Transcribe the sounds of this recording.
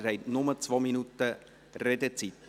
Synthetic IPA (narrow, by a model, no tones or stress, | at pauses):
ɾɛɪtnʊmət͡sʋominutə | rɛdət͡sit